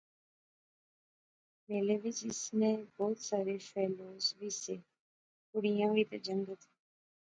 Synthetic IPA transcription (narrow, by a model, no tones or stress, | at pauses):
meːleʋɪt͡ʃɪsnẽbɔːt̪saːɾefɛːloːzʋiːse | kʊɽijãːʋəit̪ed͡ʒəŋɡət̪ʰi̥